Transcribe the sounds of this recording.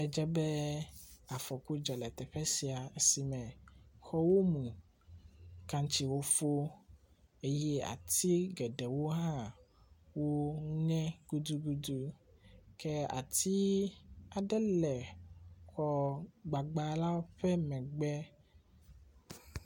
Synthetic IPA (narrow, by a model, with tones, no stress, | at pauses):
ɛ˨d͡ʒɛ˦bɛ˦ | a˨fɔ˨ku˦d͡ʒɔ˨lɛ˨t̪ɛ˨ɸɛ˦si˨a˨e˦si˨mɛ̃˨xɔ˦wo˦mũ˨ | kã˦ŋt͡ʃi˨wo˦fo˦ | e˦jɛ˦a̰˨t̪i˦ɡɛ˨ɖɛ˨wo˦ɦã˦ | wo˦ŋɛ̃˦ɡ̥u˦d̪u˦ɡu˦d̪u˦ | kɛ˦a̰˨t̪i˦a˨ɖɛ˦lɛ˨kɔ˦ɡ͡ba˨ɡ͡ba˨la˦wo˦ɸɛ˦mɛ̃˨ɡ͡bɛ˦